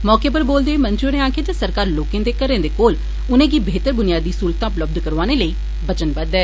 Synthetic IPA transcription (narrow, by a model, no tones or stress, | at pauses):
mɔːkeːpəɾboːld̪eːmənt͡ʃʊneːãːked͡ʒəsəɾkaːɾloːkẽːd̪eːkəɾẽːd̪eːkoːl | ʊnẽːɡiːbeːt̪əɾbʊnɪjaːd̪iːsuːlt̪ãːʊpləb̚d̪kəɾʋaːneːləiː | bət͡ʃənbəd̪ɛː